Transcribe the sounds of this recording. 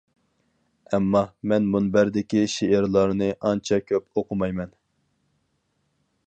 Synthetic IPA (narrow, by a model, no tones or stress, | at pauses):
ɛmːɑmɛnmunbæɾd̪ɪkʲiʃeɪɾlˠɑɾnɨʔɑnt͡ʃʰɑkʲʰøpoqʰʊmɑjmɛn